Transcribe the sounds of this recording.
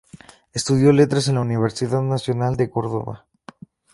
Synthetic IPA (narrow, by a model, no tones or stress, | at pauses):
e̞st̪uðjo̞le̞t̪ɾas̬e̞nlauniβ̞e̞ɾsiðaðnasjo̞nald̪e̞ko̞ɾðoβa̰